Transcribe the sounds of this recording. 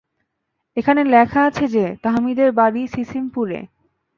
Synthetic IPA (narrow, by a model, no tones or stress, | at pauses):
ekʰanelɛkʰaat͡ɕʰed͡ʑet̪aɦmid̪eɾbaɾisisimpuɾḛ